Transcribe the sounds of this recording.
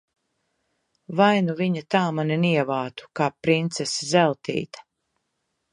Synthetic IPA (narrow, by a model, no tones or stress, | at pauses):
vajnuviɲat̪aːmaninʲiɛvaːt̪u̥kaːpɾint̪seszɛlˠt̪ḭːt̪ɐ̥